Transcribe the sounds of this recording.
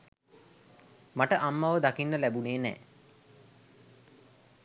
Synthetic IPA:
maʈəʔamːaʋəd̪akinːəlæbuneːnɛ̰ː

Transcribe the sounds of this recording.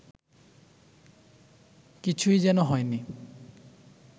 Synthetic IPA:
kit͡ɕʰujzɛnoɦɔjni

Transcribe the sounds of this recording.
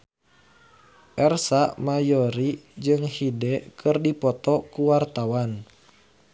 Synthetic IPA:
ʔɛrsamajɔɾid͡ʒɨŋhidɛkʰɨrdipɔt̪ɔkuwart̪awan

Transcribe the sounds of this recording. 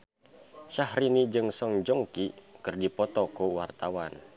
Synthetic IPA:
ʃahɾinid͡ʒɨŋsɔŋd͡ʒɔŋkikɨrdipɔt̪ɔkuwart̪awan

